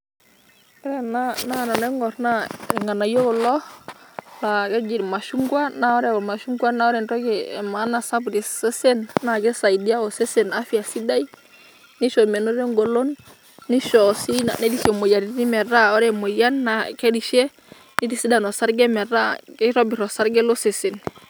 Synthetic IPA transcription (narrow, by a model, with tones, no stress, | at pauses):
ɔ˦ɾɛ˦na˦na˦˨nɔ˨nɛ˦ŋɡɔ˨ɾna˦˨ŋa˨na˨jo˦ɡɔ˨lɔ˦ | la˨ɡɛ˦d͡ʒi˨dma˨ʃu˦ŋɡwa˦na˨ɔ˦ɾɛ˦˨ɔ˨ma˨ʃu˦ŋɡwa˦na˦ɔ˦ɾɛ˨ntɔ˦ɡɛ˨ma˨˦na˨sa˦bu˨di˨sɛ˦se˦nːa˨ɡɛ˦sa˨i˨di˦a˦ɔ˨sɛ˦se˨na˦fi˨a˨si˦da˦i˦ | ni˦ʃɔ˨mɛ˨no˦ɾe˦ŋɡo˨lo˦nː | i˦ʃɔ˨si˦na̰˨nɛ˦di˦sɛ˨mo˨ja˨ni˦ni˦mɛ˨ɾa˦ɔ˦ɾɛ˦mo˨ja˦nːa˨kɛ˦di˨ʃɛ˦ | ni˦di˨si˦da˨nɔ˨sa˦ɾɡɛ˦mɛ˨ɾa˦kɛ˦ɾɔ˦bi˨ɾɔ˨sa˦ɾɡɛ˦lo˦se˨se˨n